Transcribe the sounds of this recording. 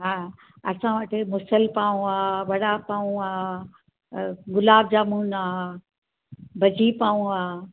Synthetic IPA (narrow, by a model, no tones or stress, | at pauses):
ɦa | ɐsãʋəʈɪmʊsəlpaːũaːʋɐɽapaːũaː | ɡʊlaːbd͡ʑaːmuːnaː | bʱɐd͡ʑʱipaːũaː